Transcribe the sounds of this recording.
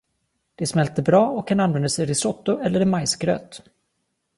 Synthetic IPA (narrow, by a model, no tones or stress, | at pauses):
d̪̥ɛsmɛlt̪əbɾɑːɔkʰːananvɛnd̪asɛjɾɪsɔt̪ːʊʔɛlːəɾɛmajsɡɾø̰ːt̪